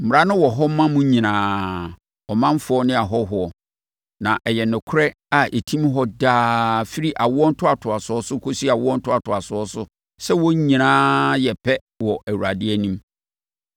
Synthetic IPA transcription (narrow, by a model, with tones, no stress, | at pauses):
m̩˨m˨ɾa˦nʊ̃˦wɔ˨ɦɔ˦mã˦mʊ̃˦ɲĩ˨nãː˨˦ | ɔ˨mã˦m˦fʊ˨˦ɔ˦nɪ̃˦a˨ɦɔ˦ɦʊ˨ɔ˨ | nã˨ʔɛ˨jɛ˨nʊ̃˨kʰʊ˦ɾɛ˦ | a˨ʔe˨tʰĩ˦mɦɔ˦daː˦fi˦ɾi˦ʔa˨wʊ˦ɔ˦n̩˦tʰʊ˦a˨tʰʊ˨a˨sʊ˨˦ɔ˦sʊ˦kʰo˦si˦a˨wʊ˦ɔ˦n̩˦tʰʊ˦a˨tʰʊ˨a˨sʊ˨˦ɔ˦sʊ˦ | sɛ˦wɔ˦ɲĩ˨nãː˦jɛ˨pʰɛ˦ | wɔ˨ʔæ˨wu˨ɾa˨dɪ˦ɛ˦nĩ˦m